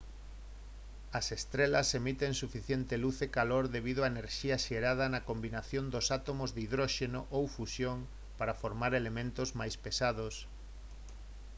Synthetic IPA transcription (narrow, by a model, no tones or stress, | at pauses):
ɐsest̪ɾelɐsemit̪eŋsufiθjent̪eluθekaloɾðeβ̞ið̞oaeneɾʃiaʃeɾað̞ɐnɐkombinaθjõnd̪osat̪omozðeiðɾoʃenoʔowfusjoŋ | paɾafoɾmaɾelemẽnt̪ozmajspesaðos